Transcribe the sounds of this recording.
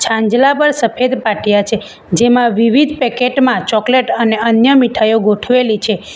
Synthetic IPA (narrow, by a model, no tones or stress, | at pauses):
t͡ʃʰãɲd͡ʒlapəɾsəpʰed̪paʈʰjat͡ʃʰe | d͡ʒemãʋiʋid̪ʱpɛkeʈmãt͡ʃɔkleʈəneənjəmiʈʰajoɡoʈʰʋelit͡ʃʰe